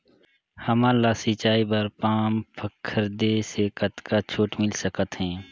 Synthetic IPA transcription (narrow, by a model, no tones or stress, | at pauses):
hɐmaːlasit͡ʃaːibɐɾpaːmpʰəkʰːəɾd̪esekɐt̪kat͡ʃʰoːʈmɪlsəkət̪ɦɛ̃ː